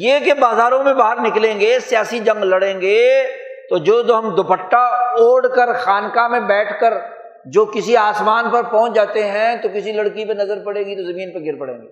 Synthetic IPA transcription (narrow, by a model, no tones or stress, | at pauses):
jeːkebaːzaːɾõmẽbaːɦəɾnɪklẽːŋɡeːsijaːsid͡ʒɐ̃ŋɡlɐɽẽːŋɡeːt̪od͡ʒoːt̪oɦɐmd̪opəʈːaoːɽkəɾxaːnkamẽbɛːʈʰkəɾ | d͡ʒoːkɪsiaːsmaːnpɐɾpɔ̃ɦʊ̃t͡ʃd͡ʒaːt̪eɦɛ̃t̪okɪsilɐɽkipenɐzəɾpɐɽeːɡit̪ozɐmĩːnpɐɡʱɪɾpɐɽḛ̃ːŋɡeː